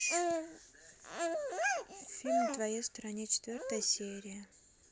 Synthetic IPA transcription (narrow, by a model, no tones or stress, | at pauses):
fʲilʲmd̪vɐjest̪ɾɐnʲet͡ɕɪ̥t̪vʲort̪əjəsʲeɾʲɪjə